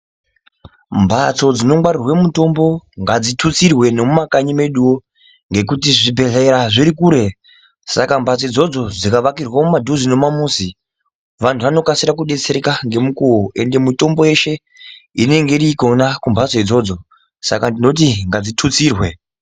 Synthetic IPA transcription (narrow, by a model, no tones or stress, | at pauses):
mbʱat͡so̞d͡zino̞ŋɡ͡bwarirwemuto̞mbo̞ŋɡad͡zitʰut͡sirwe̞no̞mumakaɲime̞ɗuwo | ŋɡe̞kutiʐibʱe̞ɮeeɾaʐiɾikuːɾe̞ | sakambʱat͡sed͡zo̞d͡zo̞d͡zikaʋakirwamumadʱuzino̞mamuːsi | ʋantʰuʋano̞kasiɾak̬uɗe̞t͡se̞ɾekaŋɡe̞mukuoʔe̞nde̞muto̞mbo̞e̞ʃe̞ | ine̞ŋɡeɾikonakumbʱat͡soid͡zo̞ːd͡zo̞ | sa̰kandino̞t̬iŋɡad͡zitʰut͡siːrwe̞